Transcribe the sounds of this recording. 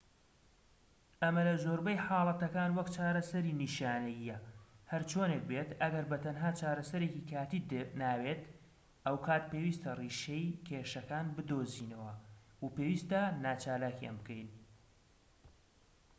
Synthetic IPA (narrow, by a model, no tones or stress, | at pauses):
ɐmɐlɐzoɾbɐjħɑːlˠɐt̪ɐkaːnwɐkt͡ʃaːɾɐsɐɾiniːʃaːnɐjijɐhɐɾt͡ʃʰoːnek̚beːt̪ɐɡɐɾbɐt̪ʰɐnɦaːt͡ʃaːɾɐsɐɾeːkikʰaːt̪iːd̪naːweːt̪ | ʔɐwkʰaːt̪̚peːwiːst̪ɐriːʃejkʰeːʃɐkaːnbɨd̪oːziːnɐwɐ | wupewiːst̪ɐnaːt͡ʃaːlaːkja̰nbɨkʰejn